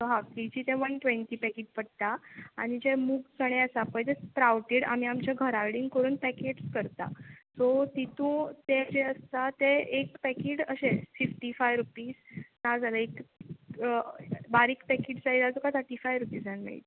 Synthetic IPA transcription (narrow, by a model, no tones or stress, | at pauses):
soɦapid͡ʑiːt̪ẽʋənʈʋeɳʈipɛkeʈ̚pəɽt̪aañid͡ʑemuːɡt͡səɽ̃ẽəsapəjt̪et͡spɾawʈeɽa̰m̤iamt͡ɕaɡʱəɾaʋɽiŋɡkəɾuːnpɛkeʈskəɾt̪a̰sot̪it̪ũt̪ed͡ʑeəst̪at̪eekpɛkeʈəɕefifʈifajʋɾupiːsnad͡zʱaləek | baɾikpɛkeʈsaiat͡sokasʰəʈifajʋɾupiːsd͡zannːa̰ḭt̪